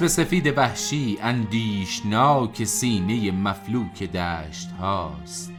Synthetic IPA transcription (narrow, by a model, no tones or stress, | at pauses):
be̞se̞fiːd̪e̞bæhʃiːʔænd̪iːʃnɒːcʰe̞siːne̞jemæfluːkʰe̞d̪æːʃt̪hɒːst̪